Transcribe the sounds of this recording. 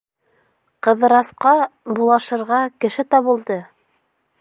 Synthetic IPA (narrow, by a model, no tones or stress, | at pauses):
qɤ̆ðɤ̆ɾɑsqɑbulˠɑʃɤ̆ɾʁɑkɘ̆ʃɘt̪ɑβɤ̆lˠd̪ɤ